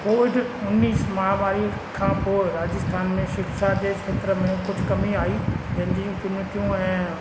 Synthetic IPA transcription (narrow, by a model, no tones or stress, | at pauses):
koːʋɪɖ | ʊnːiːsmɐɦamaːɾi | kʰãpoɾaːd͡ʒəst̪ʰaːnmẽʃɪkʃad̪eːkʰeːt̪ɾəmẽkʊt͡ʃʰkɐmiaːid͡ʒɐ̃nd͡ʒ̪ĩkɪnɪʈ̪ijõɦɛ̃